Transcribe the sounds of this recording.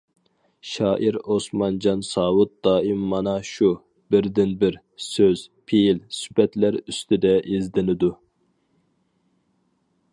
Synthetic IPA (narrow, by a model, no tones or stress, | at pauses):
ʃɑːʔiɾosmɑnd͡ʒɑnsɑːwut̪̚d̪̥ɑːimːɑnɑʃu | bɪɾd̪ɪnbɪɾ | søz̥pʰejilsy̥pɛt̪læɾyst̪ɪd̪ɛʔizd̪ɪnɪd̪u